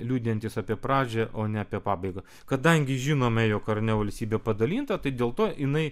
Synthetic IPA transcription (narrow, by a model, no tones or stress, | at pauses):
lʲuːd̪ʲjɛnt̪ʲɪsɑpʲiɛpɾɑːd͡ʒʲɛʔoːnʲɛɐpʲiɛpɑːbɐɪɡɐ | kɐd̪ɐŋʲɡʲɪʒʲɪnoːmʲɛjoːkɐɾnʲɛʋɐlʲsʲt̪ʲiːbʲɛːpɐd̪ɐlʲiːnt̪ɐt̪ɐɪd̪ʲeːlˠt̪oːʔɪnɐɪ